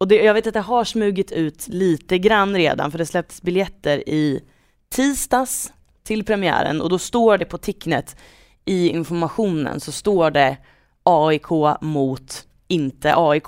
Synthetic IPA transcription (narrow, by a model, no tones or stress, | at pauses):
ɔd̪ɛjɑɡveːt̪at̪̚d̪ɛɦaʂmʉ̟ːɡɪt̪ʉ̟ːt̪liːt̪əɡɾanːɾḛːd̪a̰nfœɖɛslɛp̚t̪ʰə̥sbɪljɛt̪ːəɾɪ | t̪ʰiːst̪as | t̪ʰɪlpʰɾɛmɪæ̰ːɾə̰nɔ̰d̪ɔst̪oːɖɛpʰɔt̪ʰɪknət̪ | ʔɪɪ̰nfɔɾmaɧuːnə̰nsɔst̪oːɖɛ | ɑːɪkʰoːmuːt̪ | ɪnt̪əʔɑːɪkʰː